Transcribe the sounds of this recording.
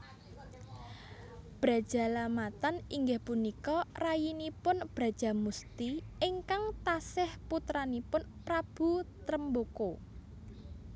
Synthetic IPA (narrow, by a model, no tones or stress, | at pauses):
b̥ɾa̤d̥ʒ̥a̤lamat̪aniŋɡɪhpunikɔrajinipʊnb̥ɾä̤d̥ʒ̥a̤must̪iɪŋkaŋt̪asɪhput̪ɾanipʊnpɾab̥ṳt̪ɾəmboko